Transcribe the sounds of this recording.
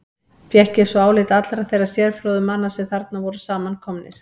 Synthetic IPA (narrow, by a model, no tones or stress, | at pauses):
fjɛhcɪ̥sɔaːwlɪt̪at̪lɾaθejrasjɛɾfɾɔːðʏmanːasɛθaɾt̪̚navɔɾʏsaːmankʰɔmnɪ̰ɾ̥